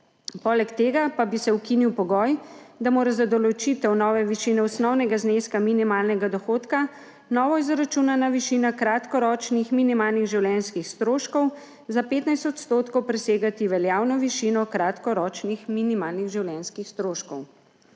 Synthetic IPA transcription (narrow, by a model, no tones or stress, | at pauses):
pɔːlɛkt̪eːɡapabisɛukiniwpɔɡɔjd̪amoːɾazad̪ɔlɔt͡ʃit̪ɛwnɔːʋɛʋiʃiːnɛɔsnɔwnɛɡazneskaminimaːlnɛɡad̪ɔxoːt̪ka | nɔːʋɔizɾat͡ʃunanaʋiʃiːnakɾat̪kɔɾɔt͡ʃnixminimaːlniɣʒiwljɛnskixst̪ɾoːʃkɔw | zapeːt̪najst̪ɔt̪st̪oːt̪kɔwpɾɛseːɡat̪iʋɛljaːwnɔʋiʃinɔkɾat̪kɔɾɔt͡ʃnixminimaːlniɣʒiwljɛnskixst̪ɾoːʃkɔw